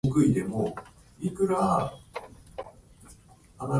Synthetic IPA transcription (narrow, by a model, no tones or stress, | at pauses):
kɯ̟id̪e̞mo | ikɯ̟ɾa | ama